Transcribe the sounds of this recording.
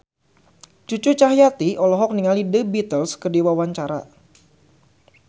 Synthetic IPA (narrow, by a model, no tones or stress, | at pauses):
t͡ʃut͡ʃut͡ʃaɦjat̪iʔɔlɔɦɔk̚niŋalidəbit̪əlskədiwawaɲt͡ʃaɾa̰